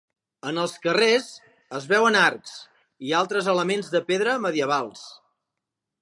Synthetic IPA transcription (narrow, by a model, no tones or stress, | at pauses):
ənəlˠskərez | əzβɛwənarks | ialˠt̪ɾəzələmenzðəpeðɾəməðiəβ̞alˠs